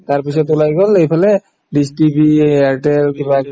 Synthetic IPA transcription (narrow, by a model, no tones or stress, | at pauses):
taɹpis̬ɔtulajɡɔlejpʰalɛ | distibiaɹʈɛlkiba